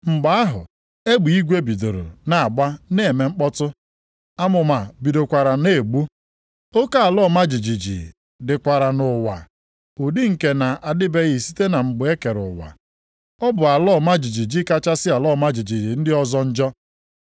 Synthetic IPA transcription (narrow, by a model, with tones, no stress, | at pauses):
m̩˨ɡ͡ba˨˦a˦ɦʊ̰˨ | e˦ɡ͡bu˨i˦ɡʷe˦bi˨do˨ɾo̰˨na˨ɡ͡ba˦ne˦˨me˨ŋ͡m̩˦k͡pɔ˦tʊ˦ | a˦mʊ˨ma˨bi˨do˨kʷa˨ɾa˨ne˨ɡ͡bu˦ | o˦ka˦a˨lɔ˦˨ma˦d͡ʒi˨d͡ʒi˨d͡ʒḭ˨ | dɪ˨kʷa˨ɾa˨nʊ˨wa̰˨ | ʊ˨dɪ˦ŋ̩˨ke˨na˨ʔa˨dɪ˦be˦ɣi˨si̥˦te˦na˨ŋ͡m̩˨ɡ͡bʊ˨˦e˦ke˨ɾʊ̰˨wa̰˨ | ɔ˦bʊ˨a˨lɔ˦˨ma˦d͡ʒi˨d͡ʒi˨d͡ʒi˦ka˦t͡ʃa˦sɪ˦a˨lɔ˦˨ma˦d͡ʒi˨d͡ʒi˨d͡ʒi˨n̩˦dɪ˦ɔ˦zɔ˦n̩˦d͡ʒɔ˦